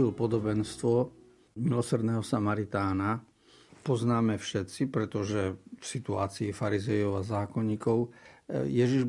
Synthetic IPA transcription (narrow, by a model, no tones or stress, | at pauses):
ilpɔd̪ɔbɛnst̪ʋɔ | milɔsr̩d̪nɛːɦɔsamaɾit̪aːna | pɔznaːmɛfʃɛt̪t͡sipɾɛt̪ɔʒɛfsit̪uaːt͡siːfaɾizɛjɔʊazaːkɔɲiːkɔʊjɛʒiʒ